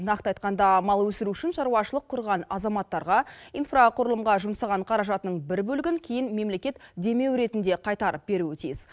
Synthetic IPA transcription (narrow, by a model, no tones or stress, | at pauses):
nɑqt̪əɑjt̪̚qɑnd̪ɑmɑlˠwɵsɪɾuʏʃɪnʃɑɾwɑʃəlˠəqʰːʊɾʁɑnɑzɑmɑt̪ːɑɾʁɑijnfraqʰʊɾəlˠəmʁɑʒʊmsɑʁɑɴqʰɑɾɑʒɑt̪ənəɴbɪɾbɵlɪɡʲɪŋkʲʰejɪnme̞mle̞kʲe̞t̪d̪e̞me̞wɾe̞t̪ɪnd̪e̞qʰɑjt̪ɑɾəp̚be̞ɾuɵt̪ʰḭjz̥